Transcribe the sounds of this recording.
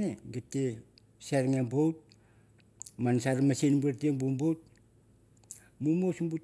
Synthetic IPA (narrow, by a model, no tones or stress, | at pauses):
neɡetːe | saɾŋembowt̚ | mansaɾmasenbeɾtieŋbumbowt̚ | mumosmbu